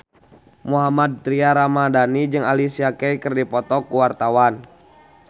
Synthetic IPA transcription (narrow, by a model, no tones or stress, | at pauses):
muɦamad̪̚t̪ɾiaɾamadanid͡ʒɨŋalisiakɛjkɨrdipɔt̪ɔkuwart̪awan